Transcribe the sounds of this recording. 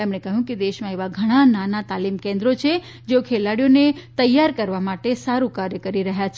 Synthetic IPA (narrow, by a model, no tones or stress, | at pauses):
emɽ̃ekəɦjũked̪eʃmãeʋaɡʱəɽ̃ananat̪alimkẽnd̪ɾot͡ʃʰe | d͡ʒeokʰelaɽijonet̪əjːaɾkəɾʋamaʈesaɾũkaɾjəkəɾiɾəɦjat͡ʃʰe